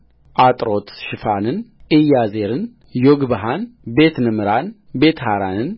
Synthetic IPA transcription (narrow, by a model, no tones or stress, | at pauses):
ʔat̪ʼɾot̪ʃɪfanɨnʔɨjazeɾɨn | joɡbaɦanbe̞t̪nɨmɨɾan | be̞t̪haɾanɨn